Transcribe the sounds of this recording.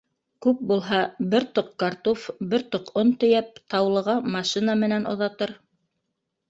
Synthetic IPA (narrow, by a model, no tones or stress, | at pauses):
kʉp̚bulˠɦɑbɘɾt̪oq̚kɑɾt̪ofbɘɾt̪oqont̪ɵ̆jæp̚t̪ɑwlˠɤ̆ʁɑmɑʃinɑmɘ̆nænŏ̰ðɑt̪ɤɾ